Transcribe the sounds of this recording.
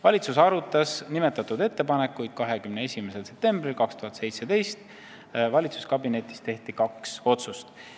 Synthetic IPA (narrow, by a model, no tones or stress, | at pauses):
vɑlʲit̪susɑɾut̪ːˑɑsnime̞t̪ːˑɑt̪ːud̪e̞t̪ːe̞pɑne̞kːˑujd̪̥kɑɦe̞kymnee̞sʲimese̞lse̞p̚t̪e̞mbrilkɑkst̪uɦɑt̪se̞jt̪se̞d̪e̞jst̪ | vɑlʲit̪su̥skɑbine̞t̪ːˑi̥st̪e̞ht̪ikɑkso̞t̪sust̪